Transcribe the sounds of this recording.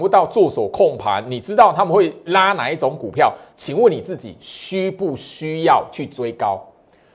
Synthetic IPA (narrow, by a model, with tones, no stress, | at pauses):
wu˥˧˦t̪ɑ˥˧ʊt͡swɔ˥˩swɔ˨˩kʰɔ˥˩ŋpʰa̰˨˦nni˨˩ʈ͡ʂɻ̩˦˥t̪ɑ˥˩ʊt̪ʰa˦˥mə˨nxwe˥˨ɪla˦na˨˦i˥˩ʈ͡ʂo˨˧˦ŋku˨˩pʰjɑ˥˨ʊt͡ɕʰi˨˦ŋwə˥˨˩ni˨˩t͡sɹ̩˥˩t͡ɕḭ˨˩ɕy˦pu˥˩ɕy˥jɑ˥˨ʊt͡ɕʰy˥˩t͡swe˦ɪkɑ˦ʊ